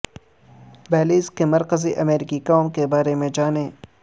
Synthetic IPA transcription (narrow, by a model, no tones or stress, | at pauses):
bɛːliːskemɐɾkəziʔɐmeːɾɪkikaːmkebaːɾemẽd͡ʒaːneː